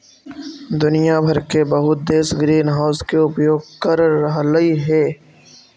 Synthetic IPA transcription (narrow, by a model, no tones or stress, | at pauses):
d̪ʊnijabʱəɾkebɐɦʊt̪̚d̪eːsɡɾiːnɦaʊskeʊpjoːɡ̚kəɾːəɦləiɦɛː